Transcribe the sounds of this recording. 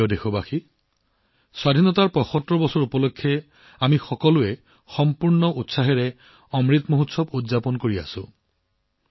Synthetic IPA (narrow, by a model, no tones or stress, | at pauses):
ɔdexobaxi | swad̪ʱinɔtaɹpɔxɔtːɹɔbɔsɔɹupɔlokʰːɛ | amixɔkɔluɛ | xɔmpuɹnɔutsaɦɛɹɛ | ɔmɹit̪moɦutsɔbudzapɔnkoɹia̰sʊ̰̃